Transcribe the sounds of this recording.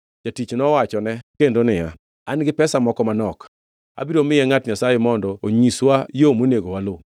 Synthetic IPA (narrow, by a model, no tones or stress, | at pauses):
t͡ʃatit͡ʃnɔwat͡ʃɔnɛkendonɪja̰ | anɡɪpɛsamɔkɔmanɔk | a̰biɾomɪjɛŋatɲasajemɔndɔoɲiswajomoneɡowalo